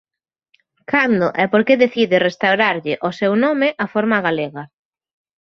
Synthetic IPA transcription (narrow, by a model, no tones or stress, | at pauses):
kʰand̪ʊʔɛpoɾkeðeθiðɪrest̪awɾaɾʎɪʔosɛwnɔmɪʔafoɾmaɣaleɣa